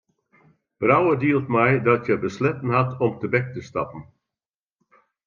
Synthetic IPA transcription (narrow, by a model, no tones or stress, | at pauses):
b̥rawədiəlˠtmɛjdɔtjəbəslɛtən̩ɦatɔmtəbɛk̚təstɑ̰pən̩